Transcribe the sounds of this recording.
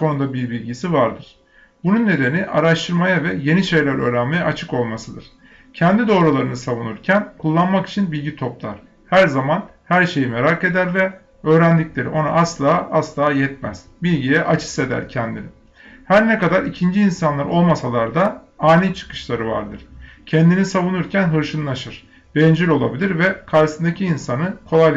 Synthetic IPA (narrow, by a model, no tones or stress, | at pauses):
kʰo̞nund̪abiɾbilʲɟisivaɾd̪ɯɾ̥ | bununːe̞d̪e̞niʔa̰ɾaʃt̪ʰɯɾmajavɛje̞niʃe̞jlʲæɾø̞̰ːɾænme̞jɛʔat͡ʃʰɯko̞lˠmasɯd̪ɯɾ̥ | cʰɛnd̪id̪o̞ɾulˠaɾɯnɯsavunuɾcʰænkʰulˠːanmaki̥t͡ʃʰinbilʲɟit̪ʰo̞plˠa̰ɾ̥ | hæɾzamanhæɾʃe̞jime̞ɾake̞d̪æɾvɛ | ø̞ːɾænd̪iclʲeɾḭʔo̞na̰ʔaslˠaːʔaslˠaːjɛt̪mæ̰z̥bilʲɟijɛʔat͡ʃʰɯ̥se̞d̪æ̰ɾcʰɛnd̪ḭnɪ | hæɾnɛkad̪aɾicʰind͡ʒiːnsanlˠaɾʔo̞lˠmasalˠaɾd̪a | aːnit͡ʃʰɯ̥kɯ̥ʃlˠaɾɯva̰ɾd̪ɯɾ̥cʰɛnd̪inisavunuɾcʰænɦɯɾʃɯnɯnaʃɯɾ̥ | b̥ɛnd͡ʒiɾo̞lˠabilʲiɾvɛkʰaɾsɯnd̪acʰiːnsanɯkʰo̞lˠaj